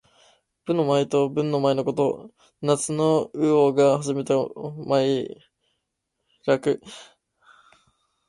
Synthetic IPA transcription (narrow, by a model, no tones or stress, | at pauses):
b̥ɯ̟̃nːo̞maet̪o̞bɯ̟̃nːo̞maeno̞ko̞t̪o̞̰ | nat͡sɨno̞ɯ̟oɡahaʑime̞t̪amai | ɾakɯ̟